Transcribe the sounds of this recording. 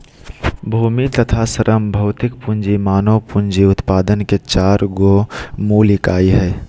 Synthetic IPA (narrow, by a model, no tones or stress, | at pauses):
bʱuːmit̪ət̪ʰasəɾʔəmbʱɐʊt̪ɪk̚pʊnd͡ʒimaːnoʋpʊnd͡ʒiʊt̪paːd̪ənket͡ʃaːɾɡomuːlɪkaːiɦɛː